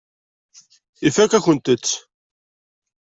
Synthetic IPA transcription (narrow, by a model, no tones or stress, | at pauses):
ifækːæçənt̪ət͡sː